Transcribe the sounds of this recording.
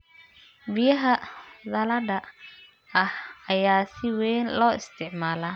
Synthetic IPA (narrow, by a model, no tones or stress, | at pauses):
bɪjɐɦɐðɐlɐɖɐ | ɐhɐjaːsɪwɛːnlɔːɪst̪ʰɪʕmaːlaː